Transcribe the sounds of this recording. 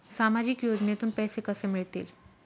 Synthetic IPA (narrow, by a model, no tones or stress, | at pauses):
samad͡ʑikjod͡ʑnet̪uːnpɛjsekəsemiɭt̪ḭːl